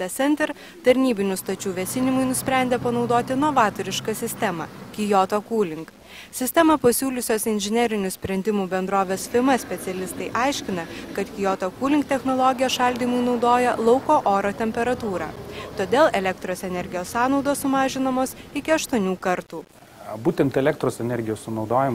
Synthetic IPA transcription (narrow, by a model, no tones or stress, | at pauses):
ɐsʲɛnʲt̪ʲɛɾ | t̪ɐɾʲnʲiːbʲɪnʲʊst̪ɐt͡ʃʲuːʋʲɛsʲɪnʲɪmʊɪnʊsʲpʲɾʲæˑnʲd̪ʲeɛpɐnɒʊd̪oːt̪ʲɪnɔʋɑːt̪ɔɾʲɪʃkɐsʲɪsʲt̪ʲɛmɐ̰kʲɪjoːt̪oːkuːlʲɪŋk | sʲɪsʲt̪ʲɛmɐpɐsʲuːlʲʊsʲoːsɪnʲʒʲɪnʲɛɾʲɪnʲʊsʲpʲɾʲɛnʲd̪ʲɪmuːbʲɛnd̪ɾoːʋʲeːsfʲɪmɐsʲpʲɛt̪sʲɛlʲɪst̪ɐɪʔɐɪʃʲkʲɪnɐkɐt̪kʲɪjoːt̪oːkuːlʲɪŋkt̪ʲɛxnɔːlˠɔːɡʲɪjɛʃɐlʲd̪ʲiːmʊɪnɒʊd̪oːjɛlˠɒʊkoːʔoːɾoːt̪ʲɛmʲpʲɛɾɐt̪uːɾɑ̰ːt̪oːd̪ʲeːlˠɛlʲɛkt̪ɾoːsɛnʲɛɾʲɡʲɪjoːsːɑːnɒʊd̪oːssʊmɑːʒʲɪnɐmoːsɪkʲɪɐʃt̪ɔnʲuːkɐɾt̪uː | buːt̪ʲɛnt̪ɛlʲɛk̚t̪ɾoːsɛnʲɛɾʲɡʲɪjoːssʊnɒʊd̪oːjɪm